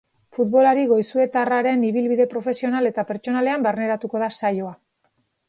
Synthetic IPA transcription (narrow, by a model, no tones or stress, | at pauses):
fut̪βo̞laɾiɣo̞jsue̞t̪araɾe̞niβilβiðe̞pɾo̞fe̞sio̞nale̞t̪ape̞ɾt͡ʃo̞nale̞ambarne̞ɾat̪uko̞ðasajo̞a